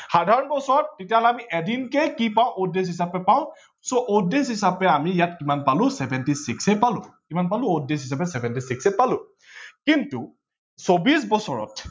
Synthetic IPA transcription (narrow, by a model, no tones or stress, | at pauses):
xadʱaɹɔnbɔsɔɹɔtːetialɛamiʔɛdinkɛkipaʊ̃ʔodes̬ɦisapɛpaʊ̃ | soʔodesɦisapɛamijat̚kimanpalʊ̃sɛbʱɛntisiksɛpalʊ̃kimanpalʊ̃odesɦis̬apɛsɛbɛntisiksɛpalʊ̃ | kintṵ | sobis̬bɔsɔɹɔ̰t